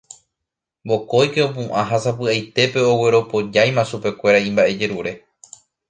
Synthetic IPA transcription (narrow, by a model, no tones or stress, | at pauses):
bo̞ko̞jke̞op̬ũʔãɦasapɨajt̪e̞pe̞o̞we̞ɾo̞po̞d͡ʒajmãʃupe̞kʷe̞ɾaĩmbaʔe̞d͡ʒe̞ɾuɾe